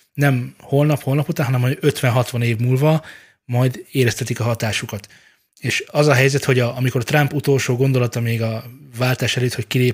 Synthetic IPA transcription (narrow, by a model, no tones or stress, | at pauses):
nɛmho̞lnɒpho̞lnɒput̪anɦɒnɛmːɒø̞t̪ʋɛnɦɒt̪ʋɒneːvmuːlvɒ | mɒjd̪eːɾɛst̪ɛt̪ikɒɦɒt̪aːʃukɒt̪ | eːʃɒzɒɦɛjzɛt̪ho̞ɟɒɒmikoɾt̪rɒmput̪o̞lʃoːɡond̪o̞lɒt̪ɒmeːɡɒvaːlt̪aːʃɛløːt̪ho̞ckileːp